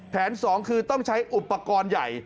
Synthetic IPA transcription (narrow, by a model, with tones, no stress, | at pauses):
pʰɛː˩˦nsɔː˩˦ŋkʰɯː˧t̪ɔ˥˩ŋt͡ɕʰa˦˥jʔu˨˩pːa˧kɔː˧nja˨˩j